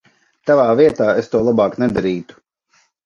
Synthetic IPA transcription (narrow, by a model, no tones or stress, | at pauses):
t̪avaːviɛt̪aːest̪uɔlˠabaːknɛd̪aɾiːt̪u̥